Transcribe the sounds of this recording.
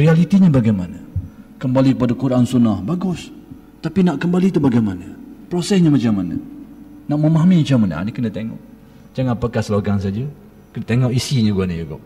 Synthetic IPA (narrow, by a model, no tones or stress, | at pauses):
rialit̪iɲəbaɡajmanəkəmbalikəpadakuɾʔansunahbaɡʊs | t̪apinaʔkəmbalit̪ubaɡajmanəpɾosɛsɲəmat͡ʃamːanə̰naʔməmaɦamimat͡ʃamana̰ʔa̰nikənət̪eŋɔ̰ʔ | d͡ʒaŋãnpakahsəloɡaŋsad͡ʒə | kənət̪eŋɔʔisiɲəɡanəjuɡɔ̰ʔ